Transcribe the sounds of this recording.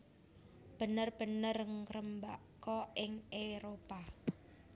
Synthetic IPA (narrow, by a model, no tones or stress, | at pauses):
b̥ə̤nərb̥ə̤nərŋrəmbakɔʔɪŋʔeɾopa